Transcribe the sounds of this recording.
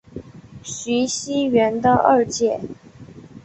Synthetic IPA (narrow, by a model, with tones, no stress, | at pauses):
ɕy˧˥ɕi˥ɥɛ˧˥nd̪ə˧ʔə˥˧t͡ɕjɛ˥˩